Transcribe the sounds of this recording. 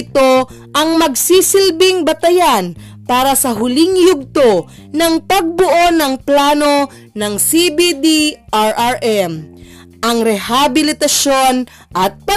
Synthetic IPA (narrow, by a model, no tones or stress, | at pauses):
ɪt̪o̞ | ʔɐŋmɐɡsisɪlbɪŋbɐt̪ɐjan | paːɾɐsɐɦʊlɪŋjʊɡ̚t̪o̞ | nɐŋpɐɡ̚bʊʔo̞nɐŋplaːno̞ | nɐŋsibid̪iʔaɹʔaɹʔɛm | ʔɐŋɾɛhabɪlɪt̪ɐso̞n | ʔɐt̪̚pɐ